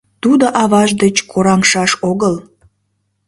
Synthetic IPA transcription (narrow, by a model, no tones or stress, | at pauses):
t̪ud̪oʔɑβɑʒd̪ət͡ɕkʰoɾɑŋʃɑʃoɣəl